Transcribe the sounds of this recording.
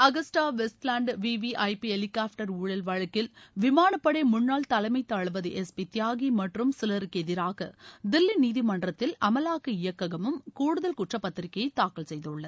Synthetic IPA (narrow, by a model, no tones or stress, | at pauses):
ɐɣɐsʈaːʋɛsʈlaːɳɖʋiːʋiʔɐɪpiɛlɪkaːfʈɐɾuːɻɐlʋɐɻɐkːɪlʋɪmaːɳɐpːɐɽeɪmʊnːaːlt̪ɐlɐɪmɐɪt̪ːɐɻɯʋɐðɯʔɛspit̪jaːɣimɐʈrɯmsɪlɐɾɯkːɛðɪɾaːɣɐd̪ɪlːiniːðimɐɳɖrɐt̪ːɪlɐmɐlaːkɯɪjɐkːɐɣɐmɯmkuːɽɯðɐlkʊʈrɐpːɐt̪ːɪɾɪkːɐjɐɪt̪ːaːkːɐlsɛjðɯɭːɐð